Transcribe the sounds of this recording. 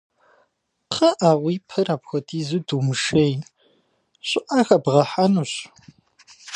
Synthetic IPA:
qʰɐʔaːʁʷiːpʰɨrapxʷɔtʰʼiːzɨdumɨʃej | ɕʷʼʊʔaxɐbʁɐħanuːɕ

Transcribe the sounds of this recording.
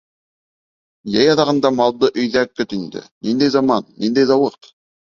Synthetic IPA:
jæjɑðɑʁɤ̆nd̪ɑmɑlˠd̪ɤʔɵ̆jðækːɵt̪ind̪ɘ̰nind̪æjzɑmɑnːind̪æjzɑwɤɾt̪

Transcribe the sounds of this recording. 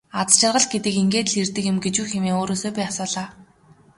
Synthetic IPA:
at͡st͡ɕʰɪ̆rʁə̆ɮɡet̪ɘ̆kiŋɡeːt̪ɮirt̪ɘ̆kjɪ̆mɡet͡ɕuːxemeːŋoːɾoːsːpæːasʊːɮaː

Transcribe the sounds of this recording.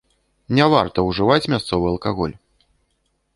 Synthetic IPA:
nʲavart̪ɐwʐɨvat͡sʲmʲast̪sɔvɨɐlˠkaɣɔlʲ

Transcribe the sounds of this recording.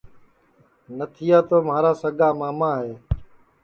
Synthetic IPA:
nət̪ʰɪjaːt̪oːmaːɾaːsəɠaːmaːmaːɦeː

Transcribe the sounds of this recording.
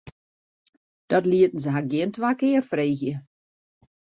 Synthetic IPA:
d̥ɔtliətn̩səɦaɡjɪəntʋaːkɪərfreːɣjə

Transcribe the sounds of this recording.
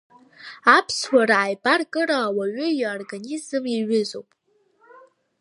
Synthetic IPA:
apʰswʷaɾaajbarkʼɨɾawaɥʏjorɡanizɨmiɥʏzo̞wpʼ

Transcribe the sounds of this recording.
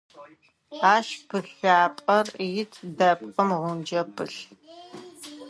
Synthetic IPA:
aːʃb̥ɨɬaːpʼɐrjɪtʰdɐp̚qəmʁʷʊnd͡ʒɐpʰɨ̰ɬ

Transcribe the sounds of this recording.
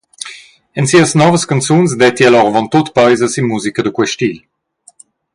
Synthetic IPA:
ɛnsiəsnɔvəskant͡suns̬d̪ɛt̪ialɔʁvɔnt̪ot̪pajzəsinmːuzikəd̪əkwɛʃt̪il

